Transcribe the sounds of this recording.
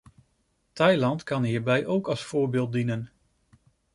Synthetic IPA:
tɑjlɑntkɑnɦiːɹbɛjʔowkɑlˠsfʊːɹbeːlˠt̚dinən

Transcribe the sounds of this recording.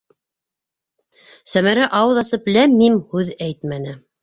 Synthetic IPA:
sæmæɾæʔɑwɤðɑsɤplæmːimhʉðæjt̪mænɘ

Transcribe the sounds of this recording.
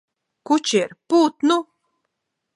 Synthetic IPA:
kut͡ʃiɾpuːt̪nu

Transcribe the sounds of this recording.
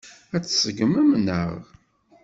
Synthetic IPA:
æt͡sːsəɡməmnə̰ʁ

